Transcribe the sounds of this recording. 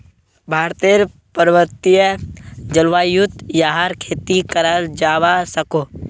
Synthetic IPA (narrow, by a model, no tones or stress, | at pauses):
bʱaːɾt̪eɾ | pəɾʋəɾt̪ijəd͡ʒəlʋaːjut̪ːjaːɦaɾkʰeːt̪ikəɾald͡ʒaːʋasəko